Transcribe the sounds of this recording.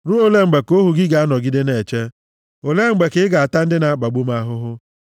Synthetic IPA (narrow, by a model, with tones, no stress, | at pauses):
ɾu˦o˨le˦ŋ͡m̩˨ɡ͡be˨ko˦ɦu˨ɡɪ˦ɡa˨a˦nɔ˨ɡi˦de˦ne˨t͡ʃe˦ | o˨le˦ŋ͡m̩˨ɡ͡be˨ke˨ɪ˦ɡa˨a˨ta˦n̩˦dɪ˦na˨˦k͡pa˨ɡ͡bu˦m˦a˦ɦʊ˦ɦʊ˦